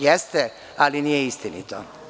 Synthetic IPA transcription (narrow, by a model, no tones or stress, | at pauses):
jɛst̪ɛ | alinijeist̪inḭt̪o